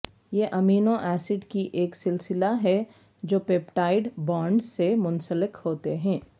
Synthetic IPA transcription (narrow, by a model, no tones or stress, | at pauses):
jeʔɐmiːnõʔɛːsɪɖkiʔeːksɪlsɪlaɦɛ | d͡ʒoːpeːpʈaːɪɖbaːɳɖzsemʊnsəlɪkhoːt̪eɦɛ̃ː